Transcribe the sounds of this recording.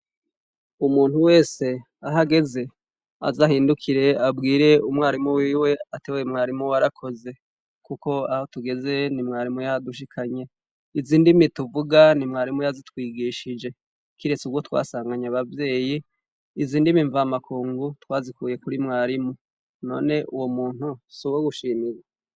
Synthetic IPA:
umuːn̥huwe̞ːse̞ | aɦaɡe̞ze̞ | a̰zahiːndukʰiɾe̞abɡiːɾe̞umŋaːɾimuwiːwe̞ateweemŋaːɾimuwaɾakʰo̞ze̞ | kuko̞aho̞tuɡe̞ze̞nimŋaːɾimujaduʃikʰaɲe̞ | iziːndimituvuɡanimŋaːɾimujazitwiːɡiːʃid͡ʒe̞ | kiɾe̞t͡suɡwotwa̰ːsaːŋɡaɲaβavje̞ːjiː | ziːndimiɱvaːmakʰuːŋɡutwaːzikuːje̞kuɾimŋaːɾimu | no̞̰ːne̞ʔuwomuːn̥husuβoɡuʃiːmiɾe

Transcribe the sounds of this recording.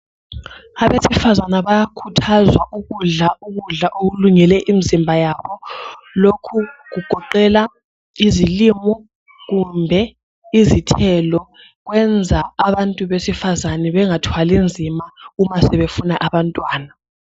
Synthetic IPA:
aβesifazanaβajakʰutʰazwaʔuɣuɮauɣuɮaʔoɣuluŋɛlɛʔimizimbʱajaβɔ | lokʰuɣuɡ̥ʱɔǃɛla | izilimɔ | ɣumbʱɛ | izitʰɛlɔ | ɣwɛnd͡zʱaːβantʼuβesifazanɛβɛŋatʰwalind͡zʱimaumasɛβefunaʔaβantʼwaːna

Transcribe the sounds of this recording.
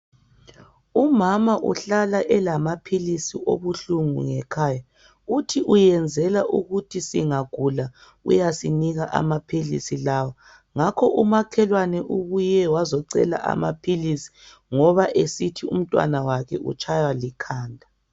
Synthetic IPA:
umamaʔṵɬalaʔɛlamapʰilisiʔo̰βuɬuŋṵŋɛkʰaːja | utʰiʔujɛnd͡zʱɛlaʔuɣutʰisiŋaɡ̥ʱula | ṵjasiniɣaʔa̰mapʰilḭsilawa | ŋakʰɔʔumakʰɛlwanɛʔuɣujɛwazɔǀɛ̰la̰ʔa̰mapʰilisi̥ | ŋɔβaʔesitʰiṵm̩tʼwa̰nawakʰɛ̰ʔṵt͡ʃʰʼajwalikʰaːndʱa

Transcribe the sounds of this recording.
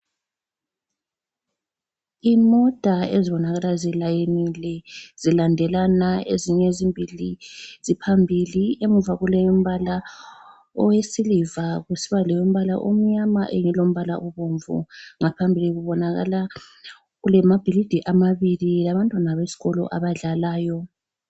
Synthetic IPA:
imɔd̥ʱaeziβɔnaɣalazilajenilɛzilandʱɛlanaeziɲɛzimbʱilizipʰambʱiliem̩vaɣulɛjom̩βala | ɔwesilivaɣusiβalɛjom̩βala̰ʔo̰m̩ɲamaʔeŋilom̩βala̰ʔɔβoɱvṵŋapʰambʱiliɣuβɔnaɣa̰la | ɣulɛmab̥ʱilid̥ʱiʔamaβililaβantʼwanaβesi̥ɣɔlɔ̰ʔa̰βaɮalaːjɔ

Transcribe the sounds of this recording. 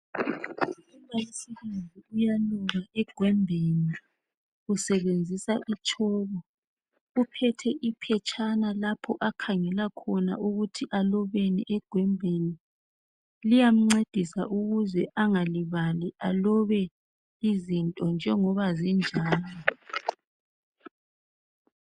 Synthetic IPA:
uβausiβend͡zʱiujaluŋaʔɛɡ̥ʱwɛmbʱeni | usɛβend͡zʱisaʔit͡ʃʰʼɔːβɔ | upʰɛtʰɛʔipʰɛt͡ʃʼʰanalapʰɔʔakʰaŋɛlakʰɔna̰uɣutʰiʔalɔβeniʔɛɡ̥ʱwɛmbʱeni | lijam̩ŋ͡ǀed̥ʱisa̰ʔuɣuzɛʔaŋaliβaliʔalɔβɛ | izintʼɔnd͡ʒʱɛŋɔβazind͡ʒʱaːlɔ

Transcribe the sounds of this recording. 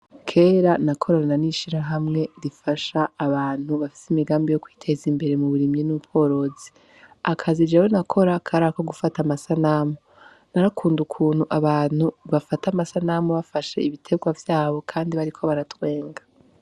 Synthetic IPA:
kʰe̞ːɾanakʰo̞ɾananiʃiɾaɦamŋe̞ɾifaʃaːβaːn̥huβafi̥simiɡaːmbijo̞kwiːtʰe̞zimbe̞ɾe̞muβuɾimɲinupʰo̞ɾo̞ːzi̥ | akʰazid͡ʒawenakʰo̞ɾakʰaɾako̞ɡufatamasanamo | naɾakʰuːndukʰuːn̥huʔaβaːn̥huβafatamasanamoβafaʃe̞̰iβitʰe̞ɡwavjaːβo̞kʰaːndiβaɾikʰo̞βaɾatwe̞ːŋɡa

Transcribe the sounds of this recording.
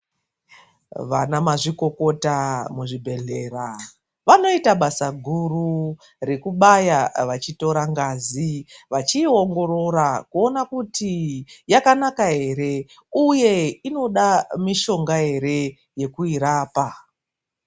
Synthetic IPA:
ʋanamaʐiko̞ko̞tamuʐibʱe̞ɮe̞ːɾa | ʋano̞itaɓasaɡʱuru | re̞kuɓajaʋat͡ʃito̞ɾaŋɡaːziʋat͡ʃio̞ŋɡo̞ɾo̞ɾakuo̞nakutijakanakaɦe̞ɾe̞ | uje̞ino̞ɗamiʃo̞ŋɡaɦe̞ɾe̞ | je̞kuiɾaːpa

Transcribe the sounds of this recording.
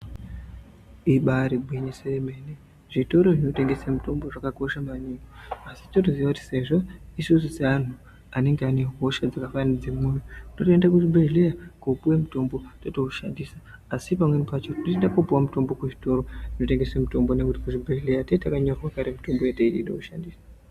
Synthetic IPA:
iɓaɾibʱwiɲeseemene | ʐito̞ɾo̞ʐino̞te̞ŋɡe̞samuto̞mbo̞ʐakako̞ʃamaɲikoasitotuziʋakuti̥se̞ʐo̞isus̬usean̤u | ane̞ŋɡeane̞ɦo̞ʃad͡zakafanid͡zemunouno̞toendak̬uʐibʱelejakupuwe̞muto̞mbo̞toto̞uʃandisḁː | sipamwe̞nipat͡ʃotinoendakupuwamuto̞mbo̞kuʐito̞ɾo̞ino̞te̞ŋɡe̞semuto̞mbo̞ne̞kutikuʐibʱeɮejatetakaɲo̞rwakaɾemuto̞mbojeteiiɗo̰kuʃandisḁ

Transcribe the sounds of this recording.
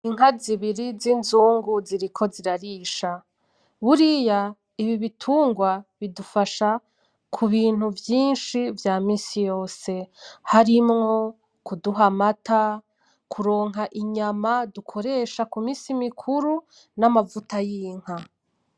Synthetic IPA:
iŋɦaziβiɾizinzuːŋɡuziɾikʰo̞ziɾaɾiːʃa | βuɾija | iβiβitʰuːŋɡwaβidufaʃa | kʰuβiːn̥huvjiːnʃivjaːmiːsijo̞ːse̞haɾimŋo̞ | kuduɦamatʰa | kʰuɾo̞ːŋɦaʔiɲamadukʰo̞ɾe̞ːʃakumiːsimikʰuɾu | namavutajiːŋ̥ha

